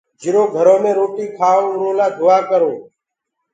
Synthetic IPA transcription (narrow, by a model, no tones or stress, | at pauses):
d͡ʒɪɾoːɡʱəɾoːmẽːɾoːʈiːkʰaːõːɾõːlaːd̪ʱʊːaːkəɾõː